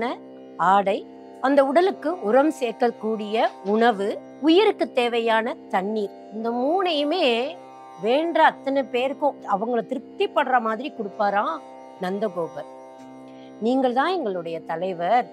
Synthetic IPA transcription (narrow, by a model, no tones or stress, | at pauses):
nɐ | aːɽɐɪ | ɐnd̪ɐʊɽɐlɯkːɯʊɾɐmseːɾkːɐkːuːɽɪjɐʊɳɐʋɯ | ʊjɪɾɯkːɯt̪ːeːʋɐjaːnɐt̪ɐɳːi | ɪnd̪ɐmuːnɐjɯmeː | ʋeːɳɖrɐːt̪ːɐnɐpeːɾɯkːʊ̃ɐʋɐŋɡɐɭɯt̪ɪɾɯk̚t̪ːipːɐɽrɐmaːðɪɾikʊɽɯpːaːɾãː | nɐnd̪ɐɣoːbɐɾ | niːŋɡɐɭt̪ãːɛŋɡɐɭɯɽɐjɐt̪ɐlɐɪʋɐɾ